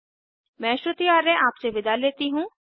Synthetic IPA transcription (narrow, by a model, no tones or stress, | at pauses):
mɛ̃ːʃɾət̪ijaːɾɛ̃ʔaːpseʋɪd̪aleːt̪iɦũː